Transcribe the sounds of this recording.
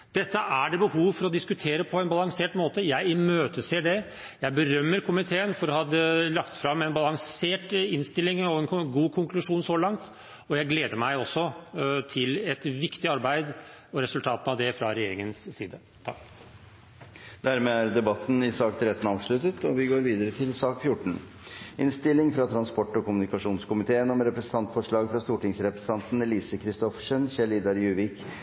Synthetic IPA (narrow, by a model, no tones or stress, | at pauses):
d̪̥ɛt̪ːəʔæɖɛbəhuːʋfɔɾɔd̪ɪskʉt̪ʰeːɾəpʰɔɛnbɑlɑŋseːʈmoːt̪əjæɪɪmøːt̪əseːɖɛ | jæɪbəɾœmːəɾkʰʊmɪt̪ʰeːənfɔɾɔhɑd̪əlɑkt̪fɾɑmːɛnbɑlɑŋseːʈɪnst̪ɪlːɪŋɔɛnɡuːkʰʊŋklʉʂuːnsɔlɑŋt̪ | ɔjæɪɡleːd̪əɾmæɪɔsːɔt̪ʰɪlɛt̪ʋɪkt̪ɪɑɾbæɪd̪ | ɔɾɛsʉlt̪ʰɑːt̪n̩ɑʋd̪ɛfɾɑɾɛjeːɾɪŋənsːiːd̪ə | t̪ʰɑ̰kː | d̪̥æɾmeːæɾd̪ɛbɑt̪ːn̩ɪsɑːkt̪ʰɾɛt̪ːn̩ɑːʋʂɭʉt̪ət̪ʰɔʋɪɡoːɾʋiːd̪əɾət̪ʰɪlsɑːkfjʊʈːɳ̩ | ʔɪnst̪ɪlɪŋfɾɑt̪ʰɾɑnspɔʈːɔkʊmʉnɪkɑʂuːnskʊmɪt̪ʰeːənɔmɾɛpɾɛsən̩t̪ʰɑnt̪fɔʂɭɑːɡfɾɑst̪uːʈɪŋsɾɛpɾə̥sə̥ɑnt̪n̩ɛliːsəkʰɾɪst̪ɔfʂənɕɛliːd̪ɑɾjʉːʋɪk